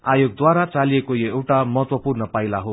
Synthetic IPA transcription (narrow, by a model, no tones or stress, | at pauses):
ajoɡ̚d̪waɾat͡saliekojoewʈamʌɦʌt̪wʌpurnʌpailaɦo